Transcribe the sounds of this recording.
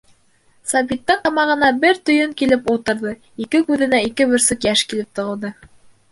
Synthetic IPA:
sɑbit̪ːɤɴqɑmɑʁɤ̆nɑbɘɾt̪ɵ̆jɵŋkilɘpulˠt̪ɤ̆ɾðɤ | ikɘkʉðɘ̆næikɘβɵ̆ɾsɵkjæʃkilɘp̚t̪ŏʁɤ̆lˠd̪ɤ

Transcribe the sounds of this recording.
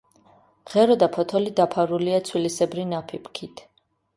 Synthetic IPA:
ʁɛɾɔd̪apʰɔt̪ʰɔlid̪apʰaɾuliat̪sʰwilisɛbɾinapʰipʰkʰit̪ʰ

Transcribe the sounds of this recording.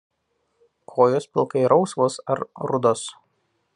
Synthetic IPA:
kʰoːjoːspʲɪlˠˑkɐɪɾʔɒʊsʋoːsɐɾɾʊd̪oːs

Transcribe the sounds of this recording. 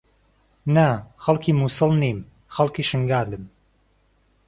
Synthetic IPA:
naxɐlˠkʰiːmuːsɨlˠniːm | xɐlˠkiːʃɨŋɡaːlɨm

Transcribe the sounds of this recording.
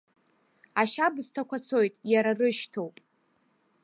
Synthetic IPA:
aʃabɨztʰakʷat͡sʰo̞jtʼjaɾarɨʃtʰowpʼ

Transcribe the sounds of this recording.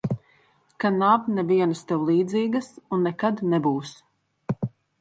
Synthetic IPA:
kanavnɛvʲiɛnast̪ɛwlˠiːd̪ziːɡɐsunːɛkad̪nɛbuːs

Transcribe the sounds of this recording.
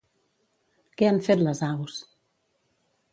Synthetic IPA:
kɛaɱfet̪ləzaws

